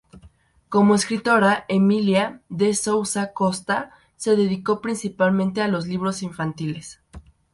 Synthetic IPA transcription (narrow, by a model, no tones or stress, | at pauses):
ko̞mo̞eskɾit̪o̞ɾaʔemiljaðesowsako̞st̪a | se̞ðe̞ðiko̞pɾinsipalmẽnt̪e̞alo̞zliβ̞ɾo̞siɱfant̪ile̞s